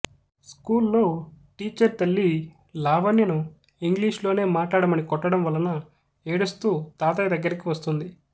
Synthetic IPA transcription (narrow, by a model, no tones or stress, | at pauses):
skuːlːo̞ːʈiːt͡ʃɐɾt̪ɐlːi | laːʋɐnjɐnu | iŋɡliːʂlo̞ːne̞ːmaːʈlaːɽɐmɐnikɔʈːɐɽɐmʋɐlːɐnɐ | eːɽust̪uːt̪aːt̪ɐjɐd̪ɐɡːɐɾikiʋɐst̪und̪i